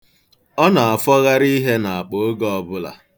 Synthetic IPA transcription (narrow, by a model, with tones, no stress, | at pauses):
ɔ˦na˨a˨fɔ˦ɣa˦ɾi˦ɦe˦na˨a˨k͡po˨o˦ɡɔ˦ɔ˨bʊ˦la̰˨